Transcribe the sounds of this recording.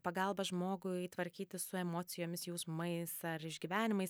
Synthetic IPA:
pɐɡɐlˠbɐʒmoːɡʊit̪ʋɐɾʲkʲiːt̪ʲɪsʊɛmoːt͡s̪ʲɪjoːmʲɪsjuːsmɐɪsɐɾɪʒʲɡʲiːʋʲæːnʲɪmɐɪs

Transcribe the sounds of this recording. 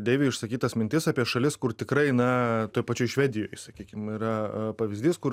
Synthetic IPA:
d̪ʲeːʋʲiːɪʃsɐkʲiːt̪ɐsmʲɪnʲt̪ʲɪsɑːpʲiɛʃɐlʲɪskʊrt̪ʲɪkɾɐɪnɐt̪oːjpɐt͡ʃʲoːjʃʲʋʲæːd̪ʲɪjo̰ːjsɐkʲiːkʲɪmiːɾɐpɐʋʲɪzʲd̪ʲiːskʊ

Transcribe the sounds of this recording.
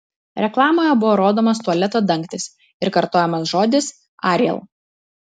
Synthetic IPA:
ɾʲɛklˠɑːmoːjɛbʊʋoːɾoːd̪oːmɐst̪uɔlʲɛt̪oːd̪ɐŋʲˑkt̪ʲɪs | ɪɾkɐɾt̪oːjɛmɐsʒoːd̪ʲɪs | ɑːɾʲjɛ̰lˠ

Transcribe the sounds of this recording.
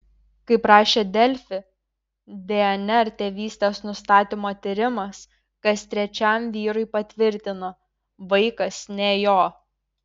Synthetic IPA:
kɐɪpɾɑːʃʲeːd̪ʲɛlʲfʲɪ | d̪ʲɛɛnʲɛɾt̪ʲeːʋʲiːsʲt̪ʲɛsnʊst̪ɑːt̪ʲɪmoːt̪ʲɪɾʲɪmɐs | kɐst̪ʲɾʲɛt͡ʃʲɛmʲʋʲiːɾʊɪpɐt̪ʲʋʲɪɾʲt̪ʲɪnɐ | ʋɐɪkɐsnʲeːjoː

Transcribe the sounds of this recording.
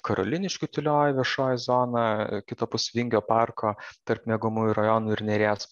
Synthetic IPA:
kɐɾo̰lʲɪnʲɪʃʲkʲʊt̪ʲɪlʲoːjɪʋʲiɛʃoːjɪzoːnɐkʲɪt̪oːpʊsʲʋʲɪŋʲɡʲoːpɑrkʰoːt̪ɐrpmʲiɛɡʊmuːjʊɾɐjɔːnuːɪɾʲnʲɛɾʲeːs

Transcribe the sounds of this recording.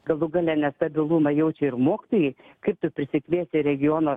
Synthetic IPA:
ɡɐlˠʊɡɑlʲɛːnʲɛst̪ɐbʲɪlˠumɐjɛʊt͡ʃʲɛɪɾmoːkʲɪ̥t̪oːjɛɪ | kɐɪp̚t̪ʊpʲɾʲɪsʲɪkʋʲeːsʲɪɾʲɛɡʲɪjoːnoː

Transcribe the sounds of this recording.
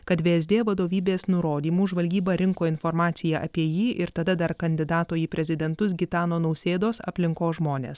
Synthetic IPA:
kɐt̪ʋʲeɛzʲd̪ʲeːʋɐd̪oːʋʲiːbʲeːsnʊɾoːd̪ʲiːmuːʒʋɐlʲɡʲiːbɐːɾʲɪŋkoːɪnfɔɾmɑːt̪sʲɪjɛʔɐ̰pʲiɛjiːʔɪɾt̪ɐd̪ɐd̪ɐɾkɐnʲd̪ʲɪd̪ɑːt̪oːjipʲɾʲɛzʲɪd̪ʲɛnt̪ʊsɡʲɪt̪ɑːnoːnɐʊsʲeːd̪oːsɐ̰pʲlʲɪŋkoːsʒmoːnʲḛːs

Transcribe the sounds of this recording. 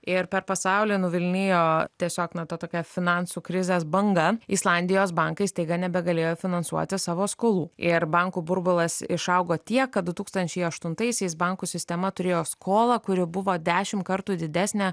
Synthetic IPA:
ɪɾpʲɛɾpɐsɐʊlʲɪːnʊʋʲɪlʲnʲeːjoːt̪ʲiɛsʲoːknɐt̪ɐt̪oːkʲɛfʲɪnɑnsuːkɾʲɪzʲesbɐŋɡɐislˠɑnʲd̪ʲɪjoːsbɑŋkɐɪst̪ɐɪɡɐnʲɛbʲɛɡɐlʲeːjoːfʲɪnɐnsṵɔt̪ʲɪsɑːʋoːskoːlˠuːɪɾbɐŋkuːbʊɾbʊlˠɐsɪʃɐʊɡoːt̪ʲiɛkːɐt̪̚d̪ʊt̪uːkst̪ɐnʲt͡ʃʲɛɪɐʃt̪ʊnt̪ɐɪsʲɛɪsbɐŋkuːsʲɪsʲt̪ʲɛmɐt̪ʊɾʲeːjoːskoːlˠɐkʊɾʲɪbʊʋoːd̪ʲæːʃʲɪmkɐɾt̪uːd̪ʲɪd̪ʲæːsʲnʲɛ

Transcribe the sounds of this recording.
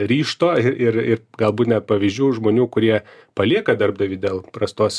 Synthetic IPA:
ɾʲiːʃt̪oːɪʔɪrɪɾɡɐlˠbuːt̪nʲɛt̪̚pɐʋʲiːzʲd͡ʒʲuːʒmoːnʲuːkʊɾʲiɛpɐlʲiɛkɐd̪ɐɾbd̪ɐʋʲiːd̪ʲeːlˠpɾɐst̪oːs

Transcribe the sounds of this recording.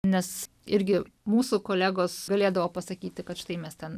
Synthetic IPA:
nʲɛs | ɪɾʲɡʲɪ | muːsukoːlʲæːɡoːsɡɐlʲeːd̪ɐʋoːpɐsɐkʲiːt̪ʲɪkɐt̪ʃʲɪt̪ɐɪmʲɛst̪ʲɛn

